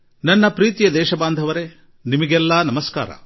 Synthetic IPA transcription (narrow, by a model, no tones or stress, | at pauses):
nɐnːɐpɾiːt̪ijɐd̪ɛːʃɐbaːnd̪ʱɐʋɐɾe | nimɐɡɛlːɐːnɐmɐska̰ːɾɐ̰